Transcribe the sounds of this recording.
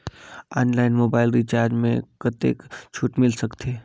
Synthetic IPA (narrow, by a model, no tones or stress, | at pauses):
aːnlaːɪnmoːbaːɪlɾit͡ʃaːɾd͡ʒmẽkət̪ḛːkt͡ʃʰuːʈmɪlsəkt̪ʰeː